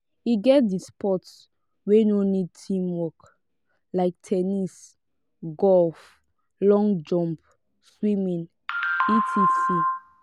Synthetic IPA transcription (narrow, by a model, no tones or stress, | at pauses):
iɡɛt̚dispʰɔts | wenonid̚tʰĩmwɔk | laɪk̚tʰɛnis | ɡɔlf | lɔ̃ŋd͡ʒɔ̃mp | swimĩn | itʰisi